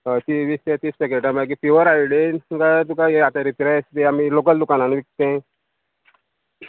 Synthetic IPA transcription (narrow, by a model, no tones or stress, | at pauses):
ət̪iʋist̪ẽt̪ispek̬eʈamak̬ifiʋəɾajilenɡat̪̬ukaeat̪aɾit̪iɾast̪eamilokəld̪ukananʋik̚t̪ẽ